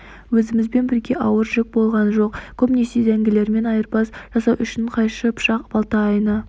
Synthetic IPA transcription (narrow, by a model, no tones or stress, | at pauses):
wɵzɪmɪzbe̞nbɪɾɡʲe̞ʔɑwəɾʒɪk̚bo̞lˠʁɑnʒo̞qkʰomnesejd̪æŋɡʲɪle̞ɾme̞nɑjəɾpɑsʒ̥ɑsɑwʔʏʃɪɴqʰɑjʃəpʰʃɑqb̥ɑlˠt̪ɑːjnə